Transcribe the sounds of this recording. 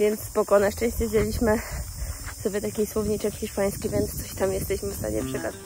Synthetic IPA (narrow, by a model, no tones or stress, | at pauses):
vʲjɛnt̪sspɔkɔnaʂt͡ʂɛ̃ɕt͡ɕɛvd͡ʑelʲiɕmɘ | sɔbʲjɛt̪akʲejswɔvɲit͡ʂɛkxʲiʂpaj̃skʲivʲjɛnt̪st̪sɔɕt̪amjɛst̪ɛɕmɘfst̪a̰ɲɛ̰pʂɛkaza